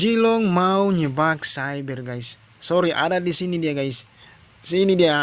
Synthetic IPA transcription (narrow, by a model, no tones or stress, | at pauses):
d͡ʒilɔŋmauɲəbak̚sajbɛrɡajsː | ɔɾiʔa̰dadisinidiaɡajs | sinidia